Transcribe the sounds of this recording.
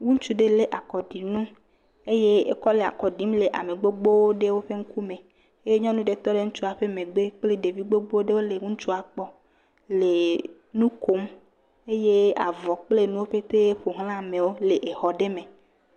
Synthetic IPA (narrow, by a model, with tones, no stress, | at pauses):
wu˦ŋ̩˦t͡ʃu˦ɖe˦le˦ʔa˨kɔ˨ɖi˨nũ˦ | e˦je˦e˦kɔ˦le˨a̰˨kɔ˨ɖi˨˦mle˨ʔa˨me˨ɡ͡bo˦ɡ͡bo˦wo˦ɖe˦wo˦ɸe˦ŋ̩˦ku˦mẽ˨ | e˦je˦ɲɔ̃˦nũ˦ɖe˦t̪ɔ˦ɖe˦ŋũ˦t͡ʃu˦a˨ɸe˦mẽ˨ɡ͡be˦k͡ple˦ɖe˨vi˦ɡ͡bo˦ɡ͡bo˦ɖe˦wo˦le˨ŋũ˦ŋ̩˦t͡ʃu˦a˨k͡pɔ˦ | le˨ | nũ˦ko˨˦m | e˦je˦a̰˨vɔ˨k͡ple˦nũ˦wo˦ɸe˦t̪e˦ɸo˨ɦl̃ã˦˨mẽ˨wo˦le˨ʔe˨xɔ˨ɖe˦mẽ˨